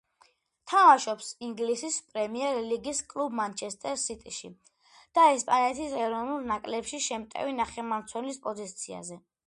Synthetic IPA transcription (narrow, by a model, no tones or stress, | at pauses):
t̪ʰamaʃɔpsiŋɡlisispʼɾɛmiɛɾliɡiskʼlˠubmant͡ʃʰɛst̪ʼɛɾsit̪ʼiʃḭ | d̪̥aɛspʼanɛt̪ʰisɛɾɔvnulˠnakʼlɛpʃiʃɛmt̪ʼɛ̰vinaχɛmamt̪sʰwɛnlispʼɔzit̪sʰia̰zɛ